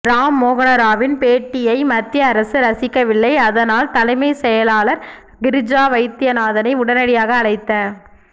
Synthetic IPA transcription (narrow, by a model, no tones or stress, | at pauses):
ɾaːmːoːɣɐnɐɾaːʋɪnpeːʈːɪjɐɪmɐt̪ːɪjɐːɾɐsɯɾɐsɪkːɐʋɪlːɐɪɐðɐnaːlt̪ɐlɐɪmɐɪsɛjɐlaːlɐɾ | ɡɪɾɪd͡ʒaːʋɐɪt̪ːɪjɐnaːðɐnɐɪʊɽɐnɐɽɪjaːɣɐːlɐɪt̪ːɐ